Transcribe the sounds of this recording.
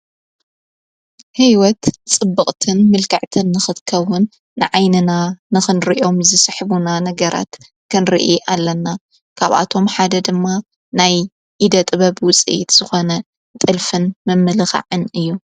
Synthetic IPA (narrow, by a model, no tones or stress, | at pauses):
hijwɔt̪t͡sʼɨbːɨχʼt̪ʰɨnmɨlkʰaʕt̪ʰɨnːɨxɨt̪kʰɐwʊnː | ɨʕajnɨnanɨxɨnɾiʔo̞mzɨsɨħbunanɐɡɐɾa̰t̪ | kʰɨnɾḭʔiʔalːɐnːa | kʰaβʔa̰t̪ʰo̞mħad̪ɐd̪ɨmːa | naj | ʔid̪ɐt̪ʼɨβɐbwʊt͡sʼḭjḭt̪z̥ɨxo̞nɐ | t̪ʼɨlfɨnmɨmːɨlɨxa̰ʕɨnɨjːu